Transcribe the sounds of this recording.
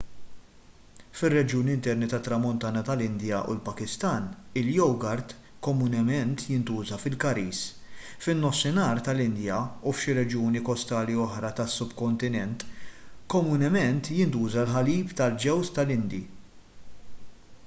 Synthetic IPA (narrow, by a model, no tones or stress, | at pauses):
fɪrːɛd͡ʒjuːnɪnt̪ɛɾnit̪ɐt̪ːɾɐmɔnt̪ɐːnɐt̪ɐlɪnd̪jɐʔṵlpɐkɪst̪ɐːnɪljɔwɡɐɾt̪ | kɔmunɛmɛnt̪jɪnt̪uːzɐfɪlkɐɾiːs | fɪnːɔsːɪnɐːɾt̪ɐlɪnd̪jɐufʃiɾɛd͡ʒjuːnikɔst̪ɐːliɔħɾɐt̪ɐsːʊbkɔnt̪ɪnɛnt̪kɔmunɛmɛnt̪jɪnt̪uːzɐlħɐliːpt̪ɐld͡ʒɛwst̪ɐlɪnd̪i